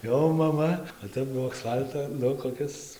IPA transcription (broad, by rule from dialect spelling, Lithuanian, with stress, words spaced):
ˈjɛʊ mɐˈmɐ oː ˈtʲɛp ˈbʊʋoː ɐksˈfɐlˠtoː ˈnʊ koːˈkʲɪs